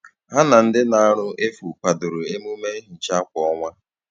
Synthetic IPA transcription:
ɦa˦na˨n̩˦dɪ˦na˦a˦ɾʊ˦ʔe˦fu˨pa˨dʊ˨ɾʊ˨e˦mu˦me˦ɦɪ˨n̩˨t͡ʃa˦kʷɔ˨ɔ˦ŋʷa˦

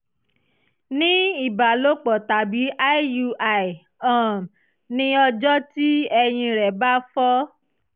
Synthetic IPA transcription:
nĩ˦i˦˨ba˨lo˦k͡pɔ˨ta˨bi˨˦ʔa˦˨ju˧a˨i˨ | ã˨m˨ | nĩ˦ɔ˧d͡ʒɔ˦ti˦ɛ˧j̃ĩ˧ɾɛ˨ba˦fɔ˦

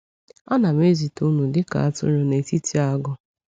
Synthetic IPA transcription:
a˦na˨me˦zi˨tu˦nu˨dɪ˦ka̰˨a˦tʊ̰˦ɾo˨ne˨ti˦ti˦a˦ɡʊ˦

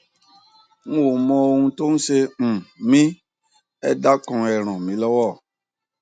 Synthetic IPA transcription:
ŋ̩̃˦wo˨mɔ̃˧o˧ŋũ˧to˦ŋ̩˦se˧m̩̃˨mĩ˦ | ɛ˦da˦kɔ̃˨ɛ˨ɾ̃ɔ̃˨mĩ˨˦lɔ˦wɔ˦˨

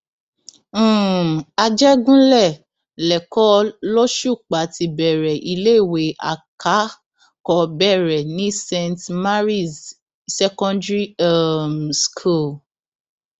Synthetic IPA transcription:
a˧d͡ʒɛ˦ɡũ˦lɛ˦˨ | lɛ˨kɔ˦lɔ˦ʃu˦˨k͡pa˨˦ti˧bɛ˨ɾɛ˨ʔi˧le˦˨we˨˦a̰˨ka˨˦ | kɔ˧bɛ˦˨ɾɛ˨nĩ˦sɛ̃˧ntma˦ɾi˦˨z | sɛ˦kɔ̃˦ndɾi˦a˦˨mskʰu˦˨l

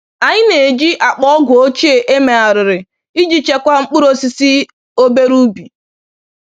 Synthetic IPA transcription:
a˨ɲɪ˦ne˨d͡ʒi˦ʔa˨k͡pɔ˦ɔ˦ɡʷʊ˨o˦t͡ʃe˨ʔe˦me˨a˨ɾɪ˨ɾɪ˨ | i˦d͡ʒi˨t͡ʃe˦kʷa˦ŋ͡m̩˦k͡pʊ˦ɾo˦si˨si˦ | o˦be˦ɾu˦bi˨

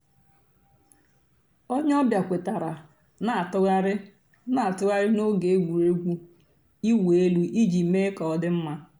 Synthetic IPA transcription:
o˦ɲ˦ɔ˦bja˨kʷe˨ta˨ɾa˨ | na˨a˨tʊ˦ɣa˦ɾɪ˦ | na˦a˨tʊ˦ɣa˦ɾɪ˦no˦ɡe˨e˦ɡʷu˨ɾe˦ɡʷu˦ | i˦wʷe˨e˦lu˦ʔi˦d͡ʒi˨me˦kɔ˨dɪ˦m̩˦ma˦

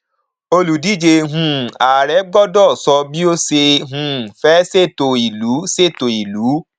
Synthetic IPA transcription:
o˧lu˨di˦d͡ʒe˧ɦũ˧˨a˨ɾɛ˨˦ɡ͡bɔ˦dɔ˦˨sɔ˧bi˦o˦se˧ɦũ˧˨fɛ˦se˦˨to˨i˨lu˨˦se˦˨to˨i˨luː˨˦

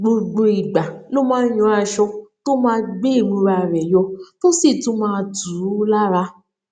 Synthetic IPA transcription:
ɡ͡bo˧ɡ͡bo˧i˨ɡ͡ba˨lo˦mãː˦jɔ̃˧˦a˨˧ʃɔ˧to˦mãː˦ɡ͡be˦i˦˨mũ˧ɾa˧˨ɾɛ˨jɔ˧to˦si˦˨tũ˨˦mãː˧˦˧du˨˦la˦ɾa˧

